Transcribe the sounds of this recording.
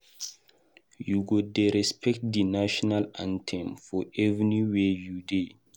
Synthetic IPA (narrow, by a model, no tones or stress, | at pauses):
juɡodɛɾɛspʰɛk̚tdinaʃɔnalãntʰɛ̃mfɔɛvniwejude